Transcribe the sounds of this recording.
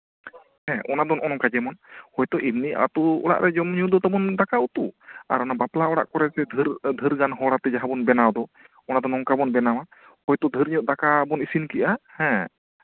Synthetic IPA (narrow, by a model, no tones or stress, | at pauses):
hɛ̃ʔɔnad̪ɔnʔɔnɔŋkad͡ʒɛmɔnhɔjt̪ɔʔibnia̰t̪uɔɽa̰ʔɾʔɛd͡ʒɔmɲɔd̪ɔt̪abɔnd̪akaut̪ua̰ɾɔnabaplaɔɽa̰ʔkɔɾɛsɛd̪ʱɾd̪ʱəɾɡanɦɔɽat̪ɛd͡ʒaɦabɔnbɛnawd̪ɔ | ɔnad̪ɔnɔŋkabɔnbɛnawa | hɔjt̪ɔd̪ʱəɾɲɔt̪̚d̪akabɔnisinkiʔahɛ̃